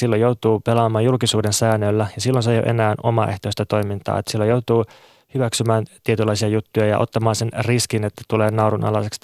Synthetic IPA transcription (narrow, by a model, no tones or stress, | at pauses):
silːojout̪uːpelɑːmɑːjulkisuːdensæːnːølːæjɑsilːonsejo̰ʔe̞̰næːno̞̰mɑ̰ːʔe̞ht̪oist̪ɑt̪o̞jmint̪ɑ̰ːet̪ːsilːojowt̪uː | hyʋæksymæːnt̪iet̪ylːɑisiɑjut̪ːujɑjɑ̰ʔot̪ːɑmɑːnsenriskinet̪ːæt̪uleːnɑuɾunʔɑ̰lɑseks